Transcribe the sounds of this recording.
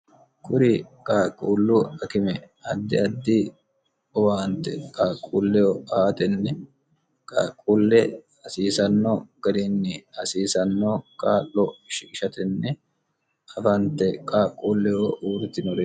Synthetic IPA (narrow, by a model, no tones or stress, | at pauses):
kʼʊɾɪkʼaːkʼːuːlːʊɐkɪmɛ | ɐd̪ːɪɐd̪ːɪ | ɔwaːnt̪ːɛkʼaːkʼːuːlːɛjɔʔaːt̪ɛnːɛ | kʼakʼːuːlːɛ | ɐsiːsɐnːɔɡ̥ɐd̪ɪnːɛɐsiːsɐnːɔkʼaːlːɔʃɪkʼɪʃɐt̪ɛnːɛ | ɐfɐnt̪ːɛkʼaːkʼːuːlːɛjɔʔuːɾt̪ɪnɔɾɛ